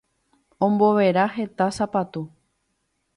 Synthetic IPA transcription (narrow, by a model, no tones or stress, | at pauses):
õ̞mbo̞ʋe̞ɾaɦe̞t̪asapat̪u